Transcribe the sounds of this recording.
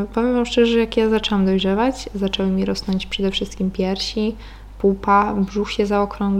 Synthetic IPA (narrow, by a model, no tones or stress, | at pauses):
pɔmʲjimɔmʂt͡ʂɛʐɛʐɛjakjazat͡ʂɛwamd̪ɔjʐɛvat͡ɕzat͡ʂɛwɘmʲiɾɔsnɔɲt͡ɕpʂɛd̪ɛfʂɘst̪̚kʲimpʲjɛɾɕi | pupabʐuxɕɛzaɔkɾɔŋɡ